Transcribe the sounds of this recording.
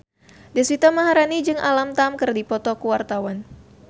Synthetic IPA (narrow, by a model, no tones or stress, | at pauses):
dɛswit̪amaɦaɾanid͡ʒɨŋʔa̰lamt̪amkɨrdipɔt̪ɔkuwart̪awan